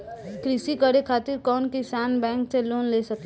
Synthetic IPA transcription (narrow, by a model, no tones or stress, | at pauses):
kɾɪsikəɾekʰaːt̪ɪɾkɔːnkɪsaːnbɛ̃ːŋkseloːnleːsəke